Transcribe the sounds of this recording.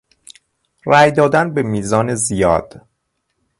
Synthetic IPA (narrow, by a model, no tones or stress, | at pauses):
ræːjd̪ɒːd̪ænbemiːzɒːnezijɒːd̪̥